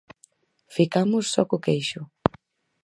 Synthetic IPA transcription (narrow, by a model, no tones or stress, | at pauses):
fikamʊsːɔkʊkejʃʊ